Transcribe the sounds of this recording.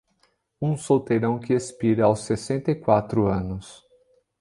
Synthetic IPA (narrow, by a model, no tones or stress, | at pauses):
ũsowt̪eɾɐ̃w̃kɪespiɾɐawsːesẽnt̪ɐikwat̪ɾʊɐ̃nʊs